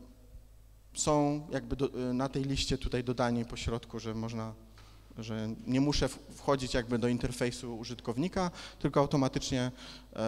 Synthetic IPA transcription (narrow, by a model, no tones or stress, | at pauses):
sɔ̃w̃jʔaɡ̚bɘd̪nat̪ɛjlʲiɕt͡ɕɛt̪ut̪ajd̪ɔd̪aɲipɔɕɾɔt̪kuʐɛmɔʐna | ʐɛɲɛmuʂɛfxɔd͡ʑit͡ɕjaɡbɘd̪ɔint̪ɛɾfɛjsuuʐɘt̪kɔvɲikat̪ɘlkɔawt̪ɔmat̪ɘt͡ʂɲɛ